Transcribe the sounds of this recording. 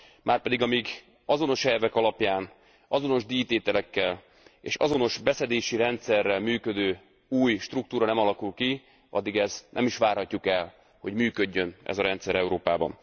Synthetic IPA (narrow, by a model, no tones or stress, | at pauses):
maːrpɛd̪iɡɒmiːɡ | ɒzo̞no̞ʃɛlvɛkɒlɒpjaːn | ɒzo̞no̞ʒd̪iːt̪eːt̪ɛlɛkːɛl | ḛːʃɒ̰zo̞no̞ʃbɛsɛd̪eːʃiɾɛnt̪sɛrːɛlmyːkø̞d̪øː | uːjʃt̪ruk̚t̪uːɾɒnɛmɒlɒkulki | ɒ̰d̪ːiɡɛznɛ̰miʃʋaːrhɒcːukɛl | ho̞ɟmyːkø̞ɟːø̞nɛ̰zɒɾɛnt̪sɛɾɛuɾoːpaːbɒ̰n